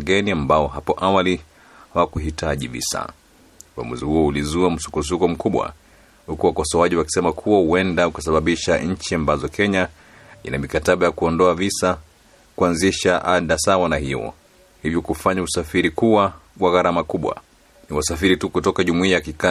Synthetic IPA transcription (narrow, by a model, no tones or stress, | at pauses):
ɡɛniambaɔɦapɔʔawali | hawakuɦitʰaʄḭvḭsa̰ | ua̰mṵzihuɔulizuam̩su̥kɔs̬ukɔm̩kuɓwa̰ | hukuwakɔsɔwaʄiwaki̥sɛmakʰuwahuwɛndaukasaɓaɓiʃaɲ̩t͡ʃiambazɔkʰɛɲa | ḭnamikataɓajakuɔndɔavisa | kuanziʃaʔaɗasawanahiɔ̰ | hivjɔkufaɲausafiɾikuwawaɣaɾamakuɓwa̰ | niwasafiɾitukutɔkaʄumuiajakika